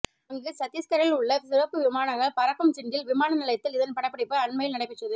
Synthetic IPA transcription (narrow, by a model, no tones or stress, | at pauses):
ɐŋɡɯsɐt̪ːjɐskɐɾɐɪlʊɭːɐsɪɾɐpːɯʋɪmaːnɐŋɡɐɭpɐɾɐkːɐmt͡ʃɪnɡɪlʋɪmaːnɐnɪlɐjt̪ːɪlɪðɐnpɐɽɐpːɐɽɪpːɯɐɳmɐjɪlnɐɽɐɪpːɛʈːrɐðɯ